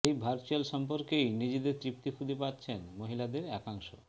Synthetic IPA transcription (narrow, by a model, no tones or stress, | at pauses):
ejbʱaɾt͡ɕalʃɔmp̬oɾkejnid͡ʑid̪et̪ɾip̚t̪ikʰud̪ʱipat̪ːt͡ɕʰenmoɦilad̪eɾɛkaŋʃo̰